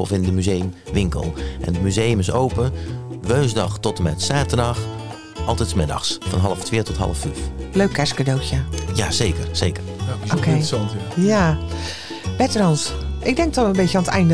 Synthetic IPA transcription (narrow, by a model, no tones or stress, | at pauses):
ɔ̰fɪndəmyzejmʋɪŋkə̰lˠʔɛ̰ndəmyzejəmɪsowpəʋøːnzdɑxtɔtəmɛtsaːtərdɑx | ʔɑlˠtɛtsmɪdɑ̰xsfɑnɦɑlˠəftʋɪːtɔtɦɑ̰lˠəfyfløɥkːɛskadowtjəjaːzejkərsejkərʔokejsntaja | bɛtərɑnsʔɪɡ̚dɛŋk̚tɔənbejtəaːnətɛ̰jndə